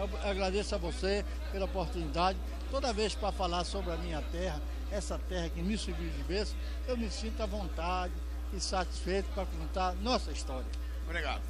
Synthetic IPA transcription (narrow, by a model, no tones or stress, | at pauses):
ewaɡɾad̪esʊɐvose | pelɐopoɾt̪unid̪ad͡ʒɪ | t̪od̪ɐvespɾɐfalaɾsobɾɪɐmĩɲɐt̪ɛɦɐ | ɛsɐt̪ɛhɐkɪmɪseɾviwd͡ʒɪbesʊ̥ | ewmɪsĩnt̪ʊɐvõnt̪ad͡ʒɪː | sat͡ʃi̥sfejt̪ʊ̥pɾɐkõnt̪aɾnɔsɐist̪ɔɾiɐ | obɾiɡa̰d̪ʊ